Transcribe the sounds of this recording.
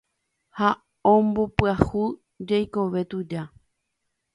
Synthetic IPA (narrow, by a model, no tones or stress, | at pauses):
ha | õmbo̞pɨahu | d͡ʒajko̞ʋe̞t̪ud͡ʒa